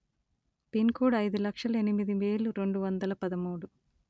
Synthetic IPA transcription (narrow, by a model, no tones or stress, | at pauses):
pinkuːɖɐjd̪ulɐkʂɐlɐe̞nimid̪iʋeːluɾe̞ɳɖuʋɐnd̪ɐlɐpɐd̪ɐmuːɽu